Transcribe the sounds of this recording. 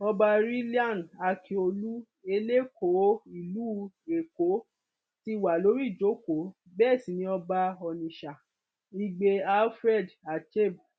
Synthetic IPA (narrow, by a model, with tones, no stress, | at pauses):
ɔ˧ba˧ɾi˦li˦ã˦˨na˧kʰi˨o˧lu˦ | e˧le˦ko˨˦i˨luː˦ | e˨ko˨˦ | ti˦˧wa˨lo˨˦ɾi˦˨d͡ʒo˨˦ko˨˦ | bɛː˦˨sĩ˨˦nĩ˧˦ɔ˧ba˧ɔ˧nĩ˨ʃa˨ | i˧ɡ͡be˧a˦lfɾɛ˦˨da˨t͡ʃe˦˨b